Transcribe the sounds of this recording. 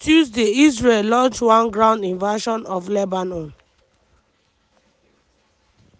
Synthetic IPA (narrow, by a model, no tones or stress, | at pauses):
t͡ʃusdeis̬ɹellɔ̃nt͡ʃwãnɡɹãʊ̃ndĩnvaʃɔ̃nɔflɛbanɔ̃n